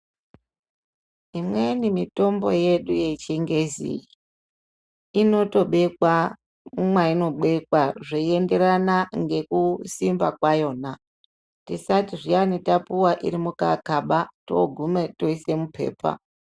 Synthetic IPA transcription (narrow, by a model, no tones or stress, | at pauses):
imwenimito̞mbo̞̰je̞ɗuje̞t͡ʃeŋɡe̞zḭi | ino̞to̞ɓe̞kwa | mwaino̞ɓwe̞kwaʐeiende̞ɾanaŋɡe̞kusimbakwajo̞ːna | tisatiʐianitapuwaʔiɾimuka̰kaɓato̰ɡʱumeto̞ise̞mupʰe̞̰ːpa̰